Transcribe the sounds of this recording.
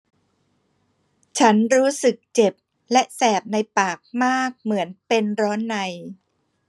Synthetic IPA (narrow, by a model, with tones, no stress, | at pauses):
t͡ɕʰa˦˥nɾuː˦˥sɯ˨˩k̚t͡ɕe˨˩p̚ | lɛ˦˥ʔsɛː˨˩p̚na˧jpaː˨˩k̚maː˥˩k̚mɯ˩˦ənpe˧nɾɔː˦˥nːa˧j